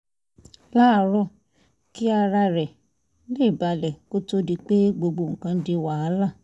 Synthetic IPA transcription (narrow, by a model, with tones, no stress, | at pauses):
la˦˧ɾɔ˦˨ | ki˦a˧ɾa˧ɾɛ˨ | le˦˨ba˧lɛ˨ko˦to˦di˧k͡pe˦ɡ͡bo˧ɡ͡bo˧˨ŋ̩˨kã˦de˧wa˨a˨˦la˦˨